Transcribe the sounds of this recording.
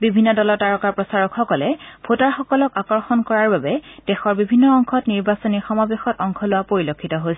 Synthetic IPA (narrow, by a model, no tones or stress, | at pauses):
bibʱinːɔdɔlɔtaɹɔkaɹpɹɔsaɹɔkxɔkɔlɛpʰotaɹxɔkɔlɔkakɔɹxɔnkɔɹaɹbabɛd̥ɛxɔɹbibʱinːɔɔŋkʰɔtniɹbasɔnixɔmabexɔtɔŋkʰɔlʊwapoɹilokʰːitɔɦojsɛ